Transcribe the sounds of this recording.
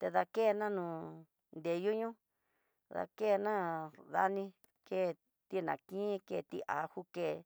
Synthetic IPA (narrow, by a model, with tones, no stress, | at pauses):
t̪e˧ða˧ke˦˨˧nã˦nũ˨ | nd̪e˨ju˦ɲũ˦ | ða̰˧ke˦˨˧nã˦ða̰˧nĩ˧ | ke˦˨˧ | t̪i˦nã˨kĩ˦ke˧˨t̪ḭ˧ʔa̰˨˦hu˦ke˦˨˧